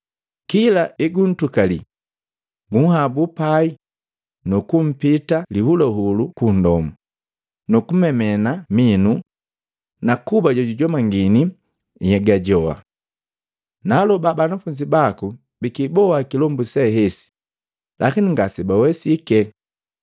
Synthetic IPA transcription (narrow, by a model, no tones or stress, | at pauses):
kilaʔiɡun̩tukali | ɡuŋ̩habupai | nukum̩pitalihulɔɦulukundɔmu | nukumɛmɛnaminu | nakubaɟɔɟuɟɔmaŋɡini | jɛɡaɟɔa̰ | nalɔbabanafuɲd͡ʒibaku | bikibɔakilɔmbusɛɦɛsi̥ | lʔakiniŋɡasɛbawɛsikɛ